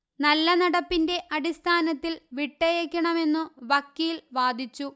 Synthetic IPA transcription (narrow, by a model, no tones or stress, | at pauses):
nɐlːɐnɐɽɐpːinde̞ʔɐɽist̪ʰaːnɐt̪ːilʋiʈːɐjɐkʲːɐɳɐme̞nːuʋɐkːiːlʋaːd̪ʱit͡ɕːu